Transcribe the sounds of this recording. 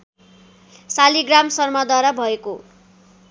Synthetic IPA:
saliɡramsʌrmʌd̪aɾʌbʱʌeko

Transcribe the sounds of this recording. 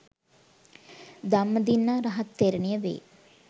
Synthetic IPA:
d̪amːəd̪inːaɾɐɦɐt̪ːeɾenijəʋḛː

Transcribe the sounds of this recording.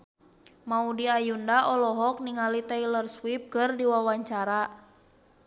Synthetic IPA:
maudiajundaʔɔlɔɦɔk̚niŋalit̪ɛilərswip̚kɨrdiwawaɲt͡ʃaɾa

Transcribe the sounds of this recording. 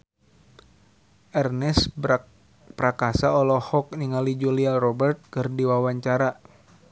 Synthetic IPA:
ʔɛrnɛs | pɾakasaɔlɔhɔk̚niŋalid͡ʒulialrɔbɛrt̪̚kɨrdiwawaɲt͡ʃaɾa

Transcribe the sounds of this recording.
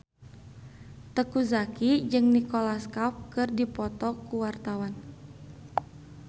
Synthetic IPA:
t̪əkuzakid͡ʒɨŋnikɔlaskap̚kɨrdipɔt̪ɔkuwart̪awan

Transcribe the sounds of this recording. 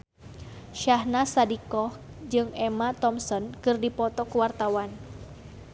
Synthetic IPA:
ʃahnasadikɔh | d͡ʒɨŋɛmat̪ɔmsɔnkɨrdipɔt̪ɔkəwart̪awan

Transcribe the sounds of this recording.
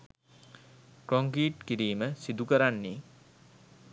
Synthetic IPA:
kɾoŋkiːʈkiɾiːməsid̪ukəɾanːe

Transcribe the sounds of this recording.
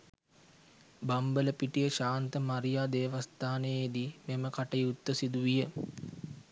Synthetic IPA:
bambələpiʈijəʃaːnt̪əmaɾijaːd̪eːʋast̪aːnejed̪imeməkaʈəjut̪ːəsid̪uʋijə

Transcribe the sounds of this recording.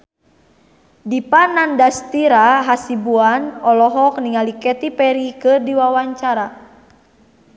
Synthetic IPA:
dipanandast̪iɾaɦasibuanɔlɔɦɔk̚niŋalikɛt̪ipɛɾikɨrdiwawaɲt͡ʃaɾa

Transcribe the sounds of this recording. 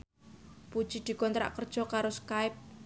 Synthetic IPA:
pud̥ʒ̥id̪̥i̤kɔnt̪ɾa̰ʔkərd̥ʒ̥ɔ̤kaɾoskaɪp̚

